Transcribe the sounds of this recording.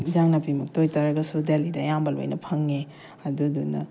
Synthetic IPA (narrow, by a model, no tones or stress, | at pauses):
d͡ʒaŋnɐpimɐk̚tojtɐɾɐɡɐsudelidɐjambɐlo̰jnɐpʰɐŋe | ɐdudunɐ̰